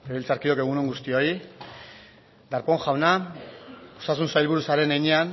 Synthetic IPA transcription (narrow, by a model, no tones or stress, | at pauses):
eβelt͡saɾkio̞ke̞ɣ̞unoŋɡust̪io̞j | d̪aɾpo̞ŋxawna | ost̪as̬unsajlβuɾusaɾe̞nejɲean